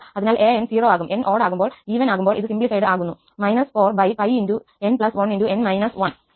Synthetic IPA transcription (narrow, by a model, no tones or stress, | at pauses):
ɐðinaːlʔeːensiːroːaːɣumʔe̞nʔo̞ːɽaːɣumboːɭiːʋɐnaːɣumboːɭʔiðɨsimblifɐjɖɨaːɣunːu | mɐjnɐsfo̞ːrbɐjpɐjindu | enpɭɐsʋɐninduenmɐjnɐsʋɐɳ